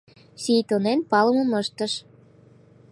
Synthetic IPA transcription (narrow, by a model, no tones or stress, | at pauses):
ɕit̪onenpɑləmə̆məʃt̪əʃ